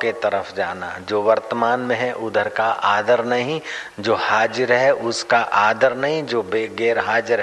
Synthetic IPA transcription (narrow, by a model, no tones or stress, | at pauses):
ket̪ɐɾəfʰd͡ʒaːna̰d͡ʒoːʋəɾt̪əmaːnmẽɦɛʔʊd̪ʱəɾkaʔaːd̪əɾnɐɦĩd͡ʒoːhaːd͡ʒɪɾɦɛʔʊskaʔaːd̪əɾnɐɦĩd͡ʒoːbeɡeːɾɦaːd͡ʒɪɾ